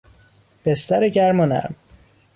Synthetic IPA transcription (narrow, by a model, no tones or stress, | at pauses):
b̥est̪æɾeɟæɾmonæ̰ɾm